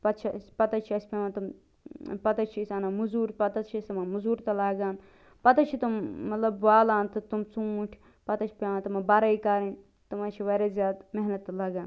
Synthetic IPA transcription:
pɐt̪t͡ʃʰispɐt̪ɐt͡ʃʰiɐsʲpʲaʋãt̪ɐm | pɐt̪ɐt͡ʃʰisɐnamuzuːɾpɐt̪ɐt͡ʃʰisɐmɐmuzuːɾt̪ɐlaːɡaːn | pɐt̪ɐt͡ʃʰit̪umːɐt̪lɐbʋaːlaːnt̪ɨt̪umt͡suʈʰ | pɐt̪ɐt͡ʃʰpʲaːʋãnt̪ɐmɐbɐɾɐikaːɾin | t̪umɐt͡ʃʰiʋɐɾɐzʲjaːd̪meɦnɐt̪ːɐlɐːɡaːn

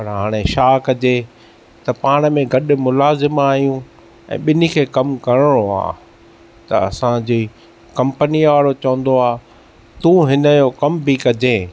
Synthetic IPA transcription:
pɐɾɦaːɽ̃eʃaːkɐd͡ʑe | t̪ɐpaːɽ̃ə̆mẽɡɐɗʊ̆mʊlaːzɪmaːɦijũ | ɛ̰̃ːɓɪnikʰeːkɐmkɐɽəɽ̃oa̰ː | t̪ɐɐ̰sãd͡ʑiː | kɐ̃mpəniʋaːɽot͡ɕɐʋə̃n̆d̪oaː | t̪ũːɦɪnəjokɐmbikɐd͡ʑẽː

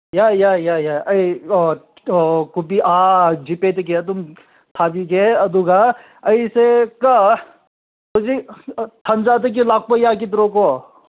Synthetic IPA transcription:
jajajajaɐi | kubiʔaːd͡ʒipet̪ek̬et̪um | t̪ʰaːbikeɐd̪uɡa | ɐiseka | tod͡ʒit̪ʰɐnd͡ʒaːt̪̬ek̬ilaːk̚pɐjaːk̬it̪ɾoko

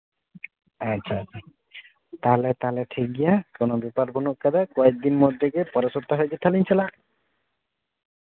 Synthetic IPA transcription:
aɕʰaa | t̪alɛt̪aleʈʰik̚ɡijakonobipaɾbonuʔkːad̪akɔek̚d̪inmod̪ʱːekepɔɾesɔɾt̪aɦojt͡ʃʰet̪ʰalint͡ʃʰɛlaʔ

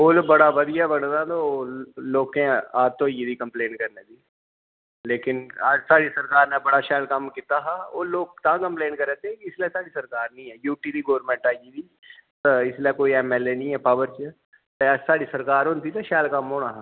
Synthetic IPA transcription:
oːlobəɽaːʋəd̪ɪjaːbənd̪ãt̪oloːkẽaːd͡ʒt̪õːjiːd̪iːkəmpleːnkəɾneːd̪iː | leːkɪnaːd͡ʒsaːɽisəɾkaːɾnãːbəɽaːʃaːlkəmkɪt̪aːɦaːoːloːɡ̚t̪ãːkəmpleːnkəɾɛːt̪eɦɛ̃kiɪslɛsaːɽiːsəɾkaːɾnəĩːɛːjuːʈiːd̪iːɡoːəɾmɛ̃ːɳʈaːjiːd̪iː | t̪ɪslɛkoːiɛːmɛːleːnĩːɛːpaːʋəɾt͡ʃ | t̪asaːɽiːsəɾkaːɾɦʊ̃nt̪iːt̪ɛʃaːlkəmɦoːnaːɦaː

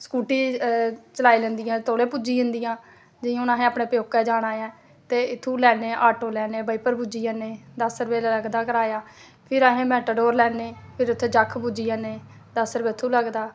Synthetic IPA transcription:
skuːʈiːt͡ʃəlaːiːlənd̪ijãːt̪ʰoːɽẽːpʊd͡ʒiːɦə̃nd̪ijãː | d͡ʒɪãːʊnãːɦẽːəpɳeːpjoːkːɛːd͡ʒaːɽaːjɛ̃ː | t̪eːɪt̪ʰːũːlɛːneːʔaːʈoːlɛːneːbəiːpəɾbud͡ʒiːəːneːd̪əsɾəbeːləɡd̪aːkəɾaːjaː | pʰɪɾaːɦẽːmɛ̃ːʈəɖoːɾlɛːneːpʰɪɾʊt̪ʰːeːd͡ʒəkʰːbud͡ʒiːaːneː | d̪əsɾəbeːt̪ʰːũːləɡd̪aː

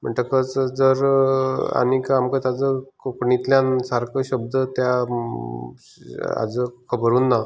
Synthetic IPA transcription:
m̤əɳʈ̪əkət͡sd͡zəɾ | a̰nikamkət̪ad͡zəkokɳit̪ljãnsaɾkəɕəb̚d̪ət̪ja | a̰d͡zəkʰəbəɾuːnːa

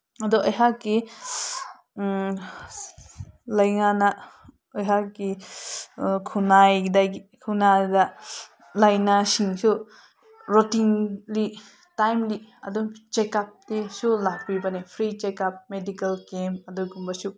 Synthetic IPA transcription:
adɔʔɔjɦakːi | lajŋana | ɔjɦakːi | kʰunajdaikʰunada | lajnasiŋsu | ɾotiŋli | tajmliɐ̰dɔt͡ʃekap̚disulak̚bibanepʰɾit͡ʃekap̚medikɐlkemɐdɔɡumbasu

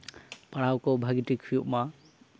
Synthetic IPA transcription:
paɽawkɔbʱaɡitikʰijuʔma

